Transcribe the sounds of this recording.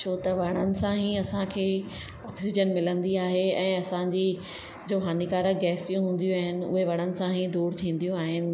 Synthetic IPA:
t͡ɕʰoːt̪ɐʋɐɽ̤̃ənɪ̆sãɦiɐsãkʰeː | ɔːksɪd͡ʑənmɪlə̃nd̪iaːɦeɛ̃ːɐsãɲd͡ʑi | d͡ʑoːɦaːnikaːɾəɡɛːsijũɦũːn̆d̪ijũaːɦɪnɪ̆ʊ̰ɦeʋɐɽ̃ənɪ̆sãɦid̪uːɽt̪ʰĩːn̆d̪ijũaːɦɪnɪ̆

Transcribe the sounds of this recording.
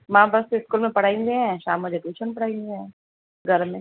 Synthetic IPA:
mãːbɐseɪskuːlmẽpɐɽ̤aːĩnɡ̪eɦɛ̃ʃaːmːəd͡ʒeʈuːt͡ʃʰənpɐɽ̤aːĩnɡ̪eɦɛ̃ː | ɡʱɐɾmːẽ

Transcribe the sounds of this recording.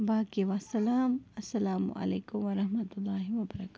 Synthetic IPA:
baːkeʋasɐlaːmɐsːɐlaːm̰ʔɐ̰lḛːkʊmʋɐɾɐɦmɐt̪ʊlːaːɦiʋɐbɐɾakaː

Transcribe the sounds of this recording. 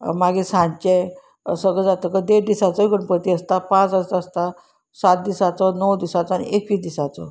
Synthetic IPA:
maɡisãɲt͡ɕẽ | səɡɭəd͡zat̪əkəd̪eɾd̪isat͡sɔkəɳpət̪iəst̪apãt͡səst̪aəst̪a | sat̪̚d̪isat͡sɔnəwd̪isat͡sɔanḭʔekiːd̪isat͡sɔ̰

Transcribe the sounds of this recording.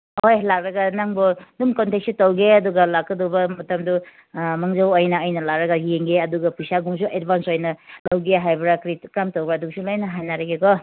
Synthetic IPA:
hojlak̚ɾɐɡɐnaŋbɔdumkɔnteksutowɡeɐduɡɐlak̚kːɐdɔbɐmɐtɐmdu | mɐŋd͡ʒɐwɐjnɐɐjnɐlakɾɐɡɐjeŋɡeɐduɡɐpujsaɡuŋsuʔedbʱansojnɐlɐwɡeɦajbɾakɾikɾamtowbɾaduŋsulajnɐɦajnaɾɐɡekɔ

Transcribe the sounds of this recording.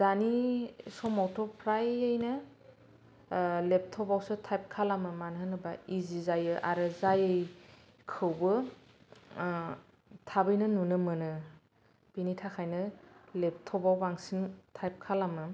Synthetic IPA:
z̥anisɔmawtʰɔpʰɾajɯjnɯ | lep̚tʰɔbawsɯtʰajp̚kʰalamɯmanɦɯnɯbaizizajɯʔaɾɯzajɯj | kʰɯwbɯ | tʰabɯjnɯnunɯmɯnɯ | b̥initʰakʰajnɯlep̚tʰɔbawbaŋsintʰajp̚kʰalamɯ

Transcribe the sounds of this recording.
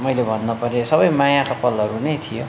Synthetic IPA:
mʌjlebʱʌnːʌpʌɾesʌbʌjmajakʌpʌlʌɾunʌjt̪ʰijo

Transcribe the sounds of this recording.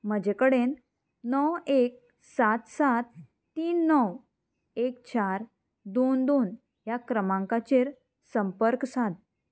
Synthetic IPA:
m̤əd͡ʑekəɽenː | ɔwek̚ | sat̪sat̪ː | iːnːɔw | ek̚t͡ɕaɾ | d̪ond̪oːn | jakɾəmãŋkat͡ɕeɾ | səmpəɾksat̪̚

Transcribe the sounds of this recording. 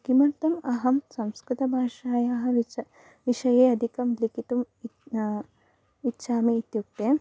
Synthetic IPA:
kimɐɾt̪ɐmɐɦɐmsɐmskɾɪt̪ɐbʱaːʂaːjaːɦɐ̆ | ʋiʂɐjeːɐd̪ʱikɐmlikit̪um | itːʃaːmiːt̪juk̚t̪eː

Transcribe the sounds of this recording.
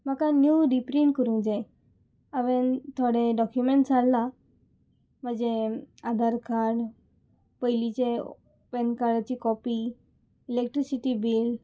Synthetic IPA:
m̤akãnjuɾipɾiɳʈ̚kəɾũd͡ʑãj | aʋent̪ʰoɽeɖɔkjumeɳʈsalːa | m̤əd͡ʑead̪ʱaɾkaɾɽ | pəjlit͡ɕe | ʋɛnkaɽat͡ɕikɔpiː | lek̚ʈɾisiʈibil

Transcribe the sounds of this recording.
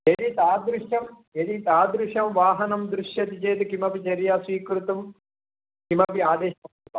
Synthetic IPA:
eɾit̪aːd̪ɾuʂjɐm | eɾit̪aːd̪ɾuʂɐmʋaːɦɐnɐmd̪ɾuʃjɐt̪it͡ʃeːt̪ukimɐpit͡ʃɐɾjaːsʋiːkɾut̪ɐm | kimɐpiaːd̪eːʃɐɐulɐ

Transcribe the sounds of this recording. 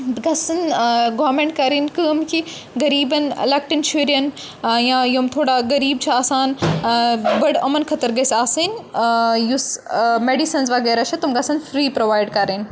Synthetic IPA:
ɡɐsɐnɡoːɾmẽːɳʈ̚kɐɾinkəːmkʰi | ɡɐɾiːbɐnḛlɐk̚ʈint͡ʃʰuːɾijɐn | jãjomt̪ʰoːɽaɡɐɾiːb̚t͡ʃʰaaːsaːn | bɐɽɐmɐnkʰɐt̪ɐɾɡɐsaːsin | jusmeːɖisɐnzʋɐɡɛːɾaːʃʰɐt̪umɡɐsɐnfɾiːpɾoːʋaːɪɖkɐɾeːn

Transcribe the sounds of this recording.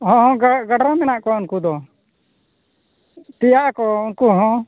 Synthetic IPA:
hɔ̃ɦɔ̃ɡaɡaɖɔmɛnaʔkɔunkud̪ɔ | t̪ijaʔkɔunkuɦɔ̃

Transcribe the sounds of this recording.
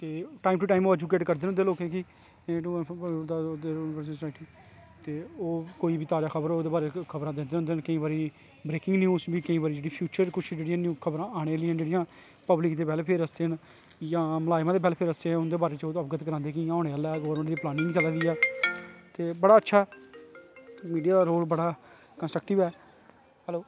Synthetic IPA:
t̪eːʈaːimʈuːʈaːimoːɛːd͡ʒuːkeːʈkəɾd̪eːnɦʊnd̪eːloːkẽːkiː | d̪ad̪eːʋəɾsə̃ssaːɪʈiː | t̪eːoːkoːiːbiːt̪aːɾaːkʰəbəɾooːd̪eːbaːɾekʰəbɾãːd̪ẽnd̪eːɦnd̪eːnkəĩːbaːɾiː | bɾeːkɪ̃ŋɡnjuːsbiːkəĩːbaːɾiːd͡ʒeːɽiːpʰjuːt͡ʃəɾkʊt͡ʃʰd͡ʒeːɽijãːnjuːkʰəbɾãːaːɽ̃eːliːãːd͡ʒeːɽijãː | pəblɪkd̪eːbɛːlpʰeɾəst̪eːən | jãːməlaːjmãːd̪eːbɛːlpʰeɾəst̪eːʊnd̪eːbaːɾeːt͡ʃoəpɡət̪kəɾãːnd̪eːkĩːɔːneːəlɛːɡəʋəɾmə̃ɳʈd̪iːplaːnɪ̃ŋɡt͡ʃəlaɡiːɛː | t̪eːbəɽaːətːʃʰaː | miːɖijaːd̪aːɾoːlbəɽaː | kənsʈɾəkʈɪʋɛː | ɦɛːloː

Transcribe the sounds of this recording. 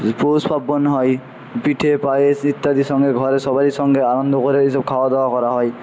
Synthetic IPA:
posbʰabːɔnɦɔj | piʈʰepajesit̪ːad̪isɔŋɡeɡʱɔɾesɔbaɾisɔŋɡeaɾɔnd̪ʱɔkɔɾeɦisɔb̚kʰawad̪ɔwakɔɾaɦɔj

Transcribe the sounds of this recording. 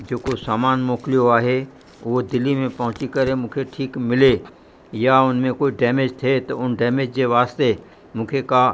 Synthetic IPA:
d͡ʒoːkosaːmaːnmoːklijoaːɦe | ʋod̪ɪlːimẽpɐɦʊ̃t͡ʃikɐɾemʊ̃kʰeʈʰiːkmɪle | jaʊnmẽkoːiɖɛːmed͡ʒt̪ʰet̪ɐʊnɖɛːmed͡ʒd͡ʒeʋaːst̪e | mʊ̃kʰeka

